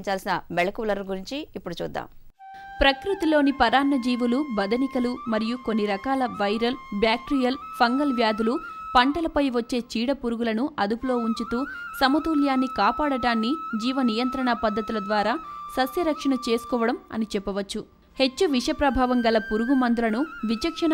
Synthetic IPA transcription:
ɲt͡ʃaːlsinɐmeɭɐkulɐɾɡuɾiɲt͡ʃiːpːuɽut͡ʃṵːd̪ːa̰ːm | pɾɐkɾit̪ilo̞ːnipɐɾaːnːɐd͡ʒiːʋulubɐd̪ɐnikɐlumɐɾijukonːiɾɐkaːlɐʋɐjɾɐlbjaːk̚ʈɾijɐl | pʰɐŋɡɐlʋjaːd̪ʱulu | pɐɳʈɐlɐpɐjʋɐt͡ʃːe̞ːt͡ʃiːɽɐpuɾuɡulɐnuʔɐd̪upulo̞ːuɲt͡ʃut̪uːsɐmɐd̪uːljaːnːikaːpaːɽɐɽaːnːid͡ʒiːʋɐnijɐnt̪ɾɐɳɐpɐd̪ːɐt̪ulɐd̪ʋaːɾaːsɐsjɐɾɐkʂɐɳɐt͡ʃe̞ːsu̥kɔːʋɐɽɐmɐ̰nit͡ʃɛpːɐʋɐt͡ʃːu | he̞t͡ʃːuʋiʂɐpɾɐbʱaːʋɐŋɡɐlɐpuɾuɡumɐnd̪ulɐnuʋit͡ʃɐkʂɐn

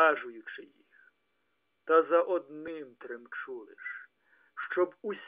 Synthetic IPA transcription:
aʒʊjʊt͡ʃɪjix | t̪ɐzɐʔɔd̪nɪmt̪ɾɪmt͡ʃulˠɪʃ | ʃt͡ʃɔbusʲ

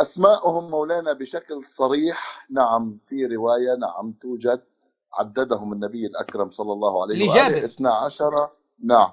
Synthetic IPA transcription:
ʔasmaːʔhʊmːawlaːnabɪʃaklsˤɑɾiːħnaʕamfiɾɪwaːjana̰ʕa̰mt̪uːd͡ʒad̪̚ | ʕa̰d̪ːad̪ahʊmɪnːabɪjːɪlʔa̰kɾˤɑmsˤɑlːɑlˤːɑːhʕa̰lajhaːeʔɪθnaʕaʃɑɾˤɑ | naʕam

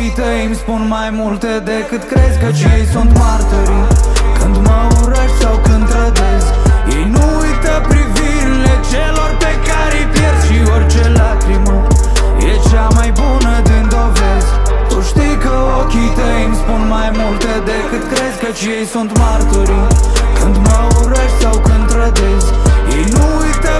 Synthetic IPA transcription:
it̪əijmspunmajmult̪ed̪ekɨt̪kɾezkət͡ʃijejsunt̪mart̪oɾikɨnd̪məuɾəʃsawkɨnd̪ɾəd̪ez | ijnu | ujt̪əpɾiviɾilet͡ʃelorpekaɾejpjet̪ʃiort͡ʃelakɾimə | iɛʒamajbonɐd̪ɨ̃nd̪ovɛzt̪oʃt̪ikɐokit̪ɐinspõnmajmolt̪ɐd̪ɛkɐd̪kɾɛzkɐt͡ʃiɐjsɐ̃nt̪maɾk̪oɾikɐ̃nd̪umɔuɾɐʃsawkɨnt̪ɾɐd̪ezinuit̪ɐ

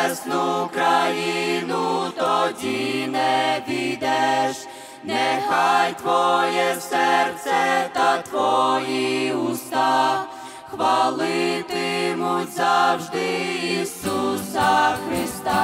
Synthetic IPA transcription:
snukɾajinut̪ɔdʲinɛʋʲid̪ɛʃ | nɛxajt̪ʋɔjɛsɛrt̪sɛtt̪at̪ʋɔjiust̪ɑ | xʋalˠɪt̪ɪmutʲzaʒd̪ɪiːsusɐxɾɪst̪a

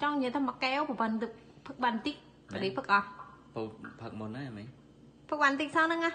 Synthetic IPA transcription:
t͡ɕɑŋjiəjt̪ʰamakːɛopɔpənt̪ɨk̚ | pʰɨk̚ɓant̪ik̚ | pəɗipʰɨk̚ʔɑt̚pʰupʰək̚munːamɛ | pʰɨk̚ɓant̪ik̚sɑnɨŋa

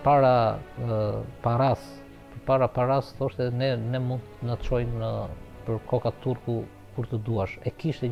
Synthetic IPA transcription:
paɾa | paɾas | pəɾpaɾapaɾasθɔʃt̪ɛnɛnɛmund̪t̪ənət͡ʃɔjnəpəɾkʰɔkat̪uɾku | kuɾt̪əd̪uaʃɛkiʃt̪ɛ

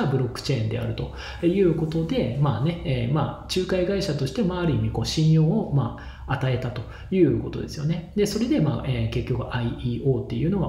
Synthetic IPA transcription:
abɯ̟ɾo̞kːɯ̟̥t͡ɕe̞ĩnd̪e̞̰a̰ɾɯ̟t̪o̞ | jɯ̟ːko̞t̪o̞d̪e̞maːne̞ma̰ːt͡ɕɨːkaiɡaiɕat̪o̞ɕi̥t̪e̞maːɾɯ̟imʲiko̞ɕĩɰ̃jo̞ːmaː | at̪ae̞t̪at̪o̞ | jɯ̟ːko̞t̪o̞d̪e̞sɨjo̞ne̞d̪e̞so̞ɾe̞d̪e̞ma̰ːʔeke̞kʲːo̞kɯ̟ʔaiiːo̞ːt̪ːe̞jɯ̟ːno̞ɡa̰

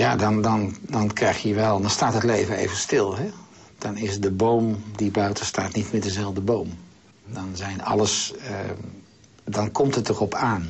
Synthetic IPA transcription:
jaːdɑndɑndɑnkrɛjχjəʋɛlˠdɑnstaːtɦətlejvəḛjvəstɪlˠɦɛ | d̥ɑnɪsdəbowmdibœɥtəstaːtnitmɪːdəzɛlˠvdəbowm | dɑnzɛjnɑ̰ləs | dɑnkɔmtətərɔpʰaːn

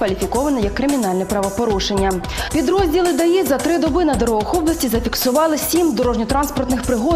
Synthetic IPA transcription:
ʋɐlʲifʲikɔʋɐnɛjɐkːɾɪmʲinɑlʲnɛpɾɐʋɐpɔɾuʃenʲːɐ | pʲid̪ɾɔzʲdʲilˠɪd̪ɐjizɐt̪ɾɪd̪ɔbɪnɐd̪ɔɾɔʋɔxɔblˠɐsʲtʲizɐfʲiksʊʋɑlˠɪsʲimd̪ɔɾɔʒnʲɔt̪ɾɑnspɔrt̪nɪxpɾɪɦɔ

